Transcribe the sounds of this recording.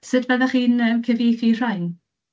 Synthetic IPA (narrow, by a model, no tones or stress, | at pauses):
sɨdvɛðaχiːnəmkʰəvijθir̥ajn